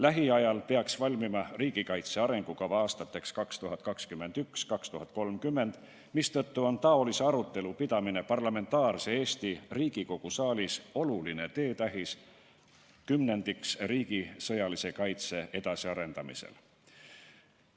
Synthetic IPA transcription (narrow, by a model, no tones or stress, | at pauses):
læɦiɑjɑlpeɑksvɑlʲmimɑriːɡ̥ikɑjt̪se̞ɑɾe̞ŋɡ̥ukɑvɑɑːst̪ɑt̪ːˑe̞kskɑkst̪uɦɑt̪̚ˑkɑkskymːe̞nd̪̥ykskɑkst̪uɦɑt̪̚ːˑko̞lmkymːe̞nd̪̥ | mist̪ɤt̪ːuo̞nt̪ɑo̞liseɑɾut̪ˑːe̞lupid̪̥ɑmine̞pɑrlɑme̞nt̪ːˑɑːɾse̞e̞ːst̪iriːɡ̥iko̞ɡ̥usɑːlʲiso̞luline̞t̪e̞ːt̪æɦis | kymne̞nd̪iksriːɡ̥isɤ̞jɑlise̞kɑjt̪se̞e̞d̪ɑsiɑɾe̞nd̪̥ɑmḭsḛl